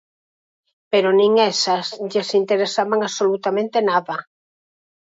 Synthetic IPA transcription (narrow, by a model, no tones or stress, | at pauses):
peɾonĩŋɛsasʎesint̪eɾesaβaŋaβsolut̪amẽnt̪enaða